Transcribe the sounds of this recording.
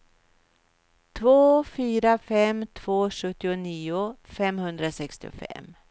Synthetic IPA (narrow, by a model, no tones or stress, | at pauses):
t̪ʰvoːfyːɾafɛmt̪ʰv̥oːʂɵt̪ːɪʊniːʊfɛmhɵnd̪ɾasɛkst̪ɪ̰ʊ̰fɛ̰mː